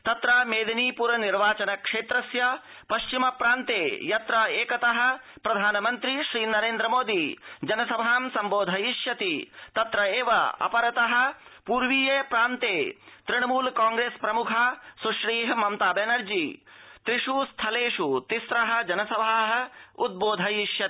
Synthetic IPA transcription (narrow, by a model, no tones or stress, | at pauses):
t̪ɐt̪ɾɐmeːd̪ɐniːpuɾɐniɾʋaːt͡ʃɐnɐkʂeːt̪ɾɐsjɐ | pɐʃt͡ʃimɐpɾaːnt̪eːjɐt̪ɾɐeːkɐt̪ɐɦɐ̆ | pɾɐd̪ʱaːnɐmɐnt̪ɾiʃɾiːnɐɾeːnd̪ɾɐmoːd̪id͡ʒɐnɐsɐbʱaːmsɐmboːd̪ʱɐjiʃjɐt̪it̪ɐt̪ɾɐeːʋɐ̰ɐ̰pɐɾɐt̪ɐɦɐ̆puːɾʋiːjeːpɾaːnt̪eːt̪ɾiɳ̃ɐmuːlkaːŋɡɾeːspɾɐmukʰasuʃɾiːɦɐmɐmt̪aːbenɐɾd͡ʒiːt̪ɾiʂuːst̪ʰɐleːʂut̪isɾɐɦɐ̆d͡ʒɐnɐsɐbʱaːɦɐ̆ud̪̚boːd̪ʱɐjiʃjɐt̪i